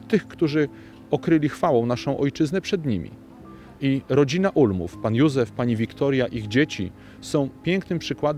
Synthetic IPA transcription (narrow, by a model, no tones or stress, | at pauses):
t̪ɘxkt̪uʐɘ | ɔkɾɘlʲixfawɔ̃w̃naʂɔ̃w̃ʔɔjt͡ʂɘznɛpʂɛd̪ɲimʲḭ | iɾɔd͡ʑinaʔulmṵfpanjuzɛfpaɲivʲikt̪ɔɾjaʔiɣd͡ʑet͡ɕḭ | sɔ̃w̃pʲjeŋknɘmpʂɘkwad̪